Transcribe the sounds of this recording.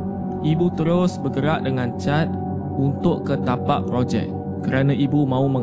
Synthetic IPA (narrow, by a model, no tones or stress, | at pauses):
ʔibut̪əɾʊsbəɡəɾaʔ̚dəŋãnt͡ʃat̪̚ | unt̪ʊʔkət̪apaʔpɾod͡ʒɛ̰ʔ̚ː | əɾanãʔibumãumə̃ŋ